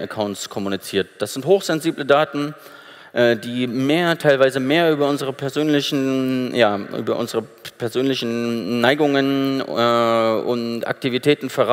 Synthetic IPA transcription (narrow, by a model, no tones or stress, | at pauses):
ʔəkʰaʊntskʰɔmunit͡siːɐt̚d̥asz̥ɪnthoːxz̥ɛnziːblədaːtn̩ | ʔɛːdiːmeːɐtʰaɪlvaɪzəmeːɐʔyːbɐʊnzəʁ̞əpʰɛɐzøːnlɪçn̩jaːʔy̰ːbɐ̰ʔʊ̰nzəʁəpʰɛɐzøːnlɪçn̩naɪɡʊŋənɛʊ̰ntʔa̰k̚tivitʰɛːtn̩fɛɐʁa